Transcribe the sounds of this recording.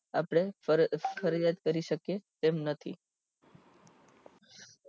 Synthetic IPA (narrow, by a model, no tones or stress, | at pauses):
a̰pɽ̃e | fʰəɾd͡ʒat̪kəɾiʃəket̪emnət̪ʰḭ